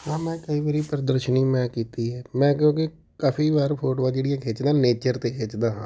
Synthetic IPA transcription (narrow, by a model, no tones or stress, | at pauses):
ɦãːmɛ̃ːkəiːʋəɾiːpəɾəd̪əɾʃəniːmɛ̃ːkiːt̪iːɦɛːmɛ̃ːkjõːke | kaːpʰiːbaːɾpʰoːʈoʋãːd͡ʒeːɽɪjãːkʰeːt͡ʃd̪ãːneːt͡ʃəɾt̪eːkʰeːt͡ʃd̪ãːɦãː